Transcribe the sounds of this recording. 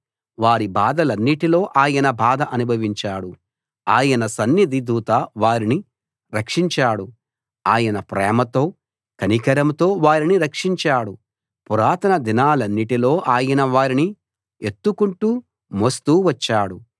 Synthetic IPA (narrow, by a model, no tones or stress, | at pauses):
ʋaːɾibʱaːd̪ɐlɐnːiʈilo̞ːʔaːjɐnɐbʱaːd̪ʱɐʔɐnubʱɐʋiɲt͡ʃaːɽu | aːjɐnɐsɐnːid̪ʱid̪uːt̪ɐʋaːɾini | ɾɐkʂiɲt͡ʃaːɽu | aːjɐnɐpɾɛːmɐt̪o̞ː | kɐnikɐɾɐmt̪o̞ːʋaːɾiniɾɐkʂiɲt͡ʃaːɽu | puɾaːt̪ɐnɐd̪inaːlɐnːiʈilo̞ːʔaːjɐnɐʋaːɾini | et̪ːukuɳʈuː | mɐst̪uːʋɐt͡ʃːaːɽu